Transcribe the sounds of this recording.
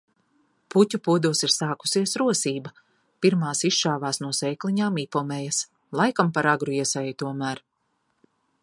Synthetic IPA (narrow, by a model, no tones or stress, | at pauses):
put̪ʲupuɔd̪uɔsiɾsaːku̥siɛsɾuɔsiːbɐ | piɾmaːsiʃʃaːvaːsnuɔsɛjklˠiɲaːmipɔmɛjɐs | lˠajkampaɾaɡɾuiɛsɛjut̪uɔmæːɾ